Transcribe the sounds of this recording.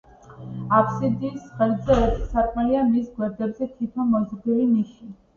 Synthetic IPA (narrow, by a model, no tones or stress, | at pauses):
apʰsid̪iːsχɛld̪zɛɛpssaɾkʼmɛliamisɡwɛɾd̪ɛbzɛkʰip̪ʰamɔzd̪iliniʃi